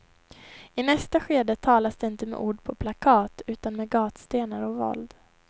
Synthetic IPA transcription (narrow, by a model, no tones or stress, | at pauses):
ɪnɛst̪aɧeːd̪ət̪ʰɑːlasd̪ɛɪnt̪əmɛ̰ʔuːɖpʰɔpʰlakʰɑːt̪ʉ̟ːt̪anmeːɡɑːt̪st̪eːnaɾɔvɔ̰ld̪